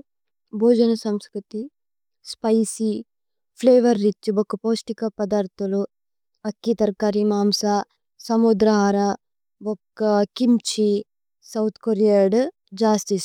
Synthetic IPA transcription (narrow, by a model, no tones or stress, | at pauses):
bʱoːd͡ʒɐnɐsɐmskɾut̪i | spɐjsi | pʰleːʋɐɾːit͡ʃːubokːɐpoːsʈikɐpɐd̪aːɾt̪ulu | ɐkːit̪ɐɾkaɾimaːmsa | sɐmud̪ɾɐɦaːɾa | bokːɐkimt͡ʃi | sɐwt̪ʰkoɾijaɖ | d͡ʒaːst̪is